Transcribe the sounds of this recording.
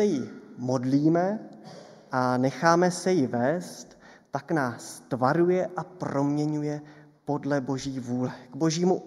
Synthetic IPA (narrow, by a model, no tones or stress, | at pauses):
ɛjɪmo̞dliːmɛ | ʔanɛxaːmɛsɛjɪvɛːst̪ː | aknaːst̪vaɾujɛʔaprɾo̞mɲɛɲujɛ | po̞dlɛbo̞ʒiːvuːlɛɡ̥bo̞ʒiːmu